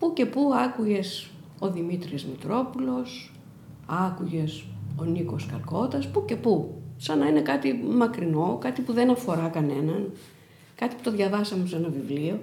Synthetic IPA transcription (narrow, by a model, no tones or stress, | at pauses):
puce̞puɐkuʝe̞s | o̞ðimit̪ɾizmit̪ɾo̞pulo̞s | ɐkuʝe̞so̞niko̞skɐ̰lko̞t̪ɐspuce̞pusɐnɐine̞kɐt̪imɐkɾino̞kɐt̪ipuðe̞nɐfo̞ɾɐkɐne̞nɐn | kɐt̪i̥pu̥t̪o̞ðʝɐvɐsɐmesenɐvivlio̞